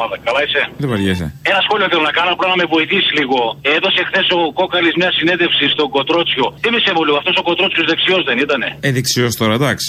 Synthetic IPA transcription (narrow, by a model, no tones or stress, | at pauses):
ɐðɐkɐlɐiseðevɐʝesḛe̞nɐsxo̞lioθelonɐkɐnɐpuɾɐnɐme̞vo̞iθisiliɣo̞e̞ðo̞sexθe̞so̞ko̞kɐlizmɲɐsine̞ðe̞fsist̪o̞ɡot̪ɾo̞t͡sço̞t̪emisemoliɣoɐft̪o̞soko̞t̪ɾo̞t͡sçozðe̞ksio̞zðe̞nit̪ɐne̞̰eðeksiost̪oɾɐd̪ɐksi̥